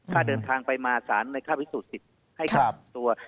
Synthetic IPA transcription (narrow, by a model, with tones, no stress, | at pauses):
kʰaː˥˩dɤː˧nt̪ʰaː˧ŋpa˧jmaː˧saː˩˦nːɯː˧jkʰaː˥˩pʰi˦˥suː˨˩t̪̚si˨˩t̪̚ | ha˥˩ja˩t̪u˧ɐ